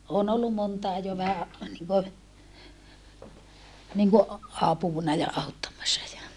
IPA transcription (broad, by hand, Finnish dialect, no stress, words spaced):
oːn olːu montɑˑe jo ʋæhæ niŋkø niŋko ɑpuˑnɑ jɑ ɑutːɑmːɑsːɑ jɑ